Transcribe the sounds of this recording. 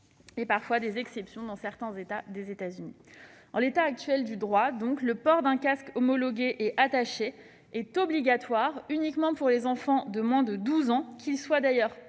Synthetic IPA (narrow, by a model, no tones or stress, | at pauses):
epaʁfwad̪ezɛksɛpsjɔ̃d̪ɑ̃sɛʁt̪ɛ̃zet̪ad̪ezet̪azyni | ɑ̃let̪aːk̚t̪ɥɛld̪yd̪ʁwad̪ɔ̃kləpɔʁd̪ɛ̃kaskɔmɔlɔɡʲeʔɛʔat̪aʃe | ɛt̪ɔbliɡat̪waʁynikmɑ̃puʁlezɑ̃fɑ̃d̪əmwɛ̃d̪əd̪uzɑ̃kʰʲilswad̪ajœʁ